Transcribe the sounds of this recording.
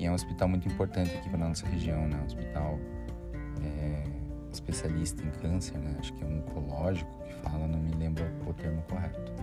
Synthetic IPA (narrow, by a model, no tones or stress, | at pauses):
ɪɛũospit̪awmũj̃t̪uĩmpoɾt̪ɐ̃nt̪ɪakifɐnɐnɔsɐɦeʒiɐ̃w̃nɛ̃ospit̪aw | ɛ | ɪspesialist̪ɐẽkʰɐ̃seɾnɛaʃʊ̥kɪɛ̃mit̪ʰolɔʒikʊ̥kɪ̥falɐnɐ̃w̃mɪlẽmbɾɐpoʊt̪eɾmʊkoɦɛt̪ʊ̥